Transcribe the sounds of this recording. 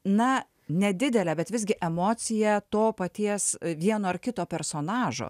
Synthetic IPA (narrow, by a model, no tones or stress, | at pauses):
nɐ | nʲɛd̪ʲɪd̪ʲɛlʲɛːbʲɛt̪ʋʲɪzɡʲɪʔɛmoːsʲɪjɛt̪oːpɐt̪ʲiɛsʋʲiɛnoːɐrkʲɪt̪oːpʲɛɾsoːnɑːʒo̰ː